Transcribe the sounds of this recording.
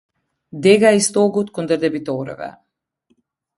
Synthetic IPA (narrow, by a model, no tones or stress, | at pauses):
d̪ɛɡaist̪ɔɡut̪kɔnd̪əɾd̪ɛbit̪ɔɾɛ̰vɛ̰